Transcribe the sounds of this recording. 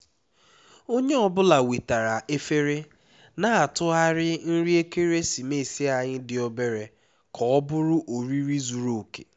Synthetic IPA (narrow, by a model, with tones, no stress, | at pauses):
o˦ɲe˦ɔ˦bʊ˦la˨wi˨ta˨ɾa˨ʔe˦fe˦ɾe˦ | na˦˨a˨tʊ˦a˦ɾɪ˦n̩˦ɾi˦e˦ke˦ɾe˦si˨me˦˨si˦a˨ɲɪ˦dɪ˨ɔ˦be˦ɾe˨ | kʰɔ˨ɔ˦bʊ˦ɾʊ˦ʔo˨ɾi˦ɾi˦zu˨ɾo˨ke̥̰˨